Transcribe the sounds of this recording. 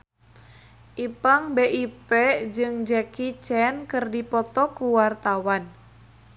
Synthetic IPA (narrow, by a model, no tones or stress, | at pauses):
ʔipaŋbeʔiped͡ʒɨŋd͡ʒɛkit͡ʃɛnkɨrdipɔt̪ɔkuwart̪awan